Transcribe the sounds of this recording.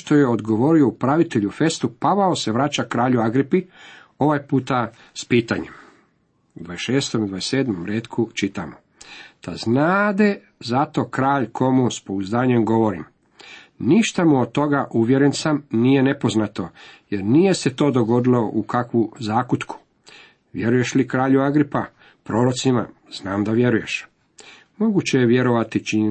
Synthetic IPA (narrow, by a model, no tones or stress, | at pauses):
ʃt̪o̞je̞o̞d̪ɡo̞ʋo̞ɾio̞upɾaʋit̪eʎufe̞st̪upaʋaose̞ʋɾaːt͡ʃakɾaːʎuaɡɾipi | o̞ʋajpuːt̪a | spiːt̪a̰ɲem | ud̪ʋaesʃeːst̪omad̪ʋaese̞ːd̪momɾeːt̪kʰut͡ʃit̪amo | t̪aznaːd̪e | zat̪o̞kɾaːʎkʰo̞muspo̞uzd̪aːɲe̞mɡo̞ʋo̞ɾḭm | niʃt̪amuod̪̚t̪ːo̞ɡaʔuʋje̞ɾensamnije̞ne̞po̞znat̪o̞jeɾnije̞se̞t̪o̞ːd̪o̞ɡo̞d̪ilo̞ʔukakʋuzaːkut̪kʰu̥ | ʋje̞ɾuje̞ʃlikɾaːʎuaɡɾipa | pɾo̞ːɾot̪sima̰ | z̥naːmd̪aʋje̞ɾuje̞ʃ | mo̞ɡut͡ɕejeʋje̞ɾo̞ʋat̪it͡ʃi